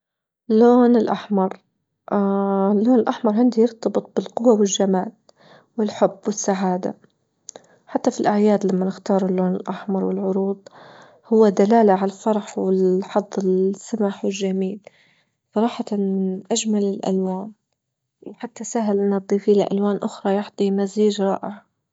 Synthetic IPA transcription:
lːoːnɪlʔaħmɑɾˤ | ʔlːoːnɪlʔaħmɑɾˤʕɪnd̪ijɪɾt̪ɑbɨt̪̚ˤbɪlqʊwːawɪlʒamaːl | wɪlħʊbːwɪsːaʕaːd̪a̰ | ħat̪ːafilʔaʕjaːd̪lamːanɪxt̪ɑːɾˤʊlːoːnɪlʔaħmɑɾˤwɪlʕʊɾuːd̪ˤ | hʊwːad̪alaːlaʕalafɑɾˤɑħwɪlħɑd̪ˤːɪsːamaħwɪlʒːamiːl | sˤɑɾˤɑːħɑt̪anʔad͡ʒmalɪlʔa̰lwaːn | wħat̪ːasaɦalʔɪnːad̪ˤiːfiːlaʔa̰lwaːnʔʊxɾˤɑjaħd̪ˤimaziːd͡ʒɾˤɑ̰ːʔɪʕ

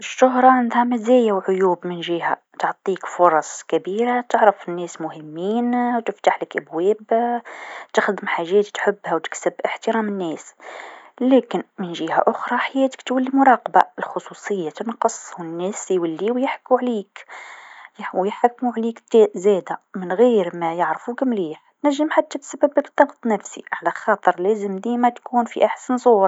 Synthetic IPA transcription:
ʔəʃːʊɦɾˤɑʕand̪hæmæzæjawʕʊjuːbmənʒihæ̰ | t̪ʕt̪ˤːiːkfʊɾˤɑsˤkæbiːɾat̪əʕɾəfɪnːɛːsmʊhəmːiːnwt̪ɪft̪aħləkʔæbwɛːb | t̪əxd̪əmħaʒːɛːt̪ːħʊbːhæwt̪ɪ̥ksəbʔəħt̪əɾæːmənːɛːs | læːkɪnmənʒihæ̰ʔʊxɾˤɑħajæːt̪ə̥kt̪wælːimʊɾˤɑːqba̰əlxʊsˤusˤəjːat̪ənqəsˤhʊnːæːsjwælːiwjəħkːuʕlik | jwjəħakːmuʕlikt̪ːʔzæd̪amənɣiɾmæjəʕɾfukmliːħt̪næʒːəmħat̪ːæt̪sæbːəbːəbt̪ˤːɑɡt̪ˤnæfsḭʕalæxɑt̪ˤəɾˤlæzəmd̪imæt̪kuːnfiʔaħsənzˤuːɾ

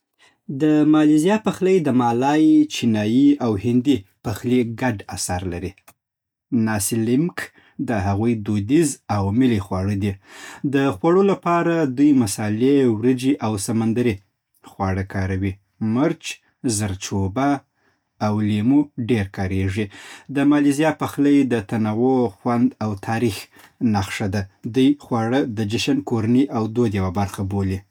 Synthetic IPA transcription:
d̪əmɑlizijɑpaxləjd̪əmɑlɑjt͡ʃinɑjiawhɪnd̪ipaxliɡaɖasaɾlaɾi | nɑsɪlɪmk | d̪əɦaɣujd̪od̪izawmɪlixwɑɽəd̪id̪əxwaɽolapɑɾad̪ujmasɑlewɾəd͡ʒiʔawsamand̪aɾi | xwɑɽəkɑɾawi | məɾt͡ʃ | zaɾt͡ʃobaː | wlemuɖeɾkɑɾeʐid̪əmɑlizijɑpaxləjd̪ət̪anawoxwand̪awt̪ʰɑɾix | naxʂad̪ad̪ujxwɑɽəd̪əd͡ʒɪʃankoɾanəʔawd̪od̪jawabaɾxaboli

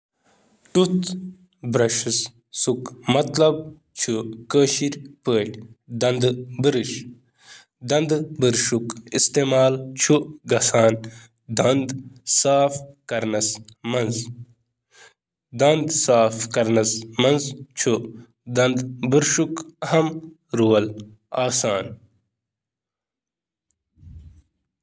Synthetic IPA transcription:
ʈut̪ | bɾɐʂɨs | sukmɐt̪lɐb̚ | t͡ʃʰukəːʃiɾʲpəːʈʲd̪ɐnd̪bɨɾɨʃ | d̪ɐnd̪bɨɾʃukist̪eːmaːlt͡ʃʰuɡɐsaːn | d̪ɐnd̪saːfkɐɾnɐsmɐnz | d̪ɐnd̪saːfkɐɾnɐsmɐnzt͡ʃʰu | d̪ɐnd̪buɾʂukɐɦɐm | ɾuwɐl | aːsaːn

